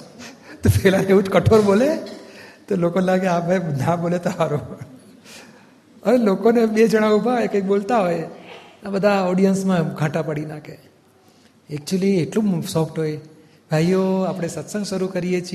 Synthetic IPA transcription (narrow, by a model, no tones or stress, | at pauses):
t̪opɛɦlãeʋũt͡ʃkəʈʰoɾbole | t̪olokonelaɡeabʱajəd̪ʱãbolet̪əɦaɾu | əʋelokoneɓed͡ʒəɽ̃aubʱaɦojekə̃jk̚ɓolt̪aɦojenaɓəd̪ʱaɔɽijənsmãɡʱãʈapəɽinake | ɛk̚t͡ʃuəlieʈlũsɔfʈɦoj | bʱajːoapɽ̃esət̪sə̃ŋɡʃəɾukəɾijet͡ʃʰ